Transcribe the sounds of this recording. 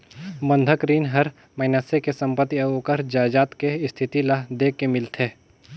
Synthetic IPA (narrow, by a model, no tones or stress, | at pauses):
bə̃nd̪ʱəkɾiːnɦɐɾ | mɐɪnəsekesə̃mpət̪ːiɐokəɾd͡ʒaːd͡ʒaːt̪keɪst̪ʰɪt̪ilad̪eːkːemɪlt̪ʰeː